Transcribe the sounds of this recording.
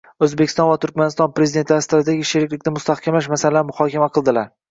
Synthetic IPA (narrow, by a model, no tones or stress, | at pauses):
ɵzbekʲɪ̥st̪ɒnvat̪ʰʊɾkʲmanɪst̪ɒnpɾezid̪e̞nt̪st̪ɾaɪd̪eɡʲiʃɪɾɪkʲlɪkʲnɪmʊst̪ʰahkʲʰamlaʃmasalɾmʊhɒkʲʰamaqʰɨlˠd̪ɪlaɾ